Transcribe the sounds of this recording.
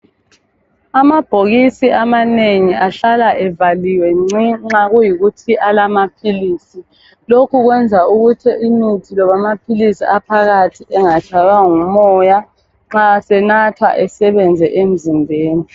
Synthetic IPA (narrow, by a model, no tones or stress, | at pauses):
amab̥ʱoɣisiʔamaneŋiaɬalaʔɛvaliwɛŋ͡ǀiŋ͡ǁaɣujiɣutʰiʔalamapʰiliːsi | lokʰuɣwɛnd͡zʱauɣutʰiʔinitʰilɔβamapʰilisiʔapʰaɣatʰiʔɛŋat͡ʃʰajwaŋumɔja | ŋ͡ǁasɛnatʰwa̰ʔɛsɛβɛnd͡zʱɛʔem̩zimbʱeːni